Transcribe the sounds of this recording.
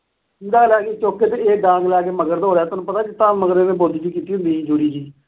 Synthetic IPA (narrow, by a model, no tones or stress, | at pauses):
ɪd̪aːlɛːkeːt͡ʃoːkʰːeːt̪eeːɡãːŋɡlɛːkeːməɡəɾd̪ɦoːɾeaːt̪onũːpət̪aːkit̪ãːməɡɾeːnẽːboːd̪iːd͡ʒiːkiːt̪iːɦʊ̃nd̪iːĩːd͡ʒʊɽiːd͡ʒiː